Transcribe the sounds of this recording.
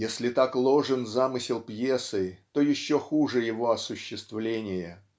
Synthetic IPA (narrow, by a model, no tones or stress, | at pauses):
jesʲlʲɪt̪aklˠo̞ʐɨnzamɨsʲɪlˠpjesɨt̪o̞jɪɕːoxuʐɨjɪvo̞ɐsʊɕːɪst̪vlʲenʲɪjə